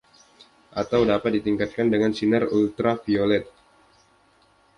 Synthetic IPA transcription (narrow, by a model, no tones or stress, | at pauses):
ʔat̪awdapat̪̚dit̪iŋkat̪̚kandəŋansinərult̪ɾafiolɛt̪̚